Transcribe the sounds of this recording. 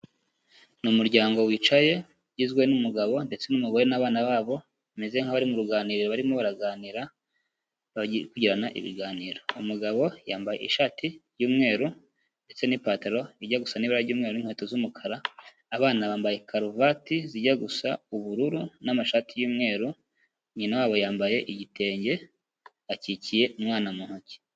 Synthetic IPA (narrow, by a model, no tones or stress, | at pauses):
numuɾɟaːŋɡo̞wit͡ʃaje̞ | ɟizɡwe̞numuɡaβo̞nde̞t͡se̞numuɡo̞ɾenaːβaːnaβaːβo̞ | ameze̞ŋ̥haβaɾimuɾuɡaːniːɾiɾoβaɾimoβaɾaɡaːniɾa | βaɟikuɟiɾanaʔḭβḭɡaːniːɾo̞umuɡaβo̞jaːmbajḛiʃaːtiɾɟuːmŋe̞ːɾu | nde̞t͡se̞nipaːteɾo̞iɟaɡusaniβiɾaɟuːmŋe̞ɾoiŋ̥heːtozumukʰaɾaː | βaːnaβaːmbaje̞kʰaɾuvatiziɟaɡusauβuɾuɾunamaʃaːtijuːmŋe̞ːɾu | ɲinawaːβo̞jaːmbaje̞ʔiɟitʰe̞ːɲɟe̞ | acicije̞umŋaːnamuhoce̥